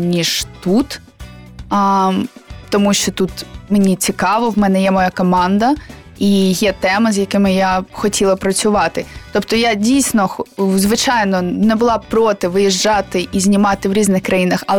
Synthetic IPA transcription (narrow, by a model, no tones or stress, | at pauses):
nʲiʒ̥t̪ut̪ | t̪ɔmuʃt͡ʃɔt̪ut̪menʲit͡sʲikɑʋɔwmɛnɛjɛmɔjakɔmɑnd̪ɐ | ijɛt̪ɛmɪzʲjɐkɪmɪjaxɔtʲʰilˠɐpɾɐt͡sʲʊʋɑt̪ɪt̪ɔpt̪ɔjadʲijsʲnɔxzʋɪt͡ʃɑjnɔnɛbʊlˠɑpɾɔt̪ɪʋɪjiʒd͡ʒɑt̪ɪʔizʲnʲimɑt̪ɪwɾʲiznɪxkɾɐjinɐxɐlˠ